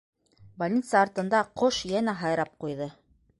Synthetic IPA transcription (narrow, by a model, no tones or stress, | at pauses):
bɐlʲnʲit̪sɑːɾt̪ɤ̆nd̪ɑqoʃjænæɦɑjɾɑp̚qujðɤ